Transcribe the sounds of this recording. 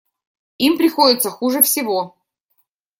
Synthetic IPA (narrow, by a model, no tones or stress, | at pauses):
impɾʲɪxodʲɪt̪səxuʐɨfsʲɪvo̞